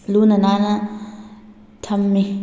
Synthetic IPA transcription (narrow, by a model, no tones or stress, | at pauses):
lunɐnanɐ | tʰɐmːi